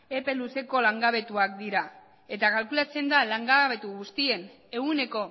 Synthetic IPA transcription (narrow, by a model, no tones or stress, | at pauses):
e̞pe̞luse̞ko̞laŋɡaβe̞t̪uak̚d̪iɾa | e̞t̪akalkulat͡se̞nd̪alaŋɡaβe̞t̪uɣust̪ie̞n | e̞ɣune̞ko̞